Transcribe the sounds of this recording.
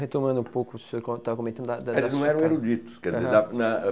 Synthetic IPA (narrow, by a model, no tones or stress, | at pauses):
het̪omɐ̃d̪ũpowkʊsokõt̪avɐkomẽt̪ɐ̃d̪d̪ad̪ɐdɛiznɐ̃w̃ɛɾɐ̃w̃eɾud͡ʒit̪ʊ̥skɛɾd͡ʒizeɾɐnɐ